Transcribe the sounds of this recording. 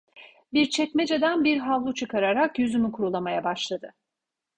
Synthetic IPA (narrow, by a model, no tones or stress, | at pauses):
biɾt͡ʃʰɛcmed͡ʒed̪ænbiɾɦavlˠut͡ʃʰɯkʰaɾaɾakjyzymykʰuɾulˠamajabaʃlˠad̪ɯ